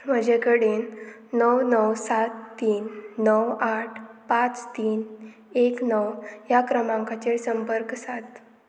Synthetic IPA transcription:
m̤əd͡ʑekəɽenː | əwnəwsat̪ːiːnːəwaʈʰpãt͡st̪iːn | eknəwjakɾəmãŋkat͡ɕesəmpəɾksat̪

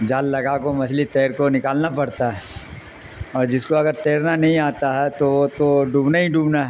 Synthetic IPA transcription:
d͡ʒaːlːɐɡakomɐslit̪eːɾkonɪkaːlnapɐɽt̪aɦɛ | ɔːɾd͡ʒɪskoɐɡəɾt̪eːɾnanɐɦĩaːt̪aɦɛt̪oot̪oɖʱũːbnaɦiɖʱuːbnaɦɛ

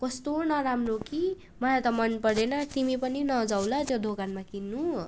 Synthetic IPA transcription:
kʌst̪onʌɾamroki | mʌlat̪ʌmʌnpʌɾenʌt̪imipʌninʌd͡zawlʌt̪jod̪ʱokanmakinːu

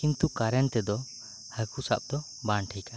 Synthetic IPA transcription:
kint̪ukaɾɛnt̪ɛd̪ɔ | həkusa̰p̚d̪ɔ | baɳʈʰika

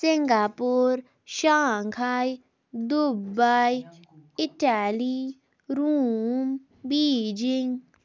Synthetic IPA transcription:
sɪŋɡapuɾ | ʃaŋkʰaj | d̪ubaj | ɪʈali | ɾum | biːd͡ʒɪŋɡ

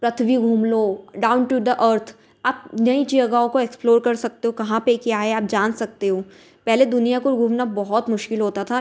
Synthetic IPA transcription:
pɾɐt̪ʰʋiɡʱuːmloɖãːʊ̃nʈud̪əʔəːɾt̪ʰ | aːp̚nɐit͡ʃiəɡaːõkoeːksploːɾkɐɾsɐk̚t̪eɦõkɐɦãpekjaːɦɛaːp̚d͡ʒaːnsɐk̚t̪eɦõː | pɛɦled̪ʊnijakoɡʱuːmnabɔɦɔt̪mʊʃkɪlɦoːt̪at̪ʰa

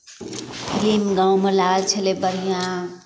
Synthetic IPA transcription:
pʰilimɡãwmelaɡəlt͡ʃʰelebəɾijã

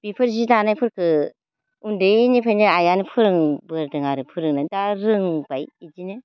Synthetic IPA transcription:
b̥ipʰɯɾzidanajpʰɯɾkʰɯ | undenipʰajnɯajanɯpʰɯɾɯŋbɯɾdɯŋaɾɯpʰɯɾɯŋnadaɾɯŋbajid͡ʒinɯ

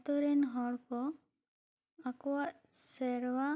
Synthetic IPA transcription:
t̪ɔɾɛnɦɔɽkɔ | akɔwa | sɛɾwa

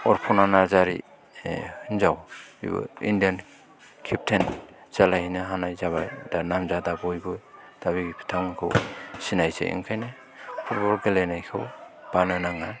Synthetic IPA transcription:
ɔɾpʰunanazaɾḭ | ɯnzawḭbɯ̰ḭndijan | kʰip̚tʰenz̥alahinɯɦanajzaβajdanamzadabɔjbɯd̥aβiɡipʰi̥tʰamkʰɯwsinajsḛḭŋkʰajnɯ | pʰɔɾbɔɾɡelenajkʰɯwb̥anɯnaŋa

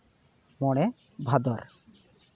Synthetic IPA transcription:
mɔɽ̃e | bʱad̪ɔɾ

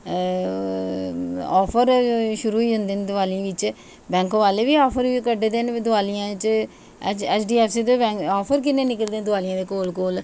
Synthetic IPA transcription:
ɔːpʰəɾʃʊɾuːiːɦʊ̃nd̪eːnd̪ʊaːliʋɪt͡ʃ | bɛ̃ːŋkːʋaːleːʋiːɔːpʰəɾikəɖed̪eːnd̪ʊaːlijãːɪt͡ʃ | ɛt͡ʃɛːt͡ʃɖiːɛːpʰsiːd̪oːɛ̃ːɔːpʰəɾk̬ɪneːnɪkəld̪eːd̪ʊaːlijãːd̪eːkoːlkoːl

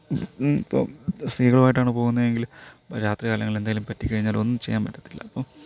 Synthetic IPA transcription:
ipːo̰ːst̪iːɣɐɭumaːjiʈːaːɳɨpo̞ːɣunːɐðeŋɡilpoɾaːt̪rɐɣaːlɐŋːɐlend̪aːjilumpɐtːikːɐɻiɲːaːlo̞̰nːɨmt͡ɕe̞jːaːnpɐʈːɐt̪ːilːɐ̰ɐpːoː

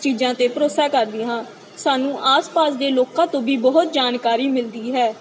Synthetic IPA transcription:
t͡ʃiːd͡ʒãːt̪eːpəɾoːsaːkəɾd̪ɪɦãː | saːnũːʔaːspaːsd̪eːloːkãːt̪õːbiːbəɦʊt̪̚d͡ʒaːnkaːɾiːmɪld̪iːɦɛː

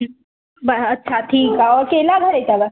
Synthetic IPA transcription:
bɐɐtːʃʰat̪ʰiːkaɔɾkeːlaɡʱɐɾet͡ʃaɡa

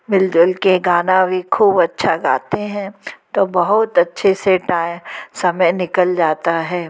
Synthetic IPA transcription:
mɪld͡ʒʊlkeɡaːnãbʱikʰuːbɐtːʃʰaɡa̰ːt̪eɦɛ̃t̪oːbɐɦʊt̪ɐtːʃʰeseʈaːɪ̃sɐməjnɪkəld͡ʒaːt̪aɦɛː

